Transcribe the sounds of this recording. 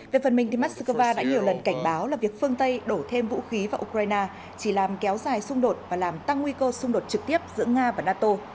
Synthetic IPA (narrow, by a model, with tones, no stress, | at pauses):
ve˨˩fə˨˩nmï̟˨˩t̪i˨˩maː˦˥t̚sə˧kə˧vaː˧ɗa̰ː˧˥ɲi˨˩əwlə˨˩nka˧˩jŋ̟ɓaː˨˦wlaː˨˩vi˨˩ək̚fɨ˧əŋt̪ə˧jɗo˧˩t̪ʰe˧mvṵ˧˥xi˨˦vaː˨˩ʔu˧kɾaː˧jnaː˧ | t͡ɕi˧˩laː˨˩mkɛ˨˦wzaː˨˩jsʊ˧ŋ͡mɗo˨˩t̚vaː˨˩laː˨˩mt̪a˧ŋːwi˧kəː˧sʊ˧ŋ͡mɗo˨˩t̚t͡ɕɨ˨˩k̚t̪i˦˥əp̚zɨ̰˧˥əŋaː˧vaː˨˩naː˧t̪o˧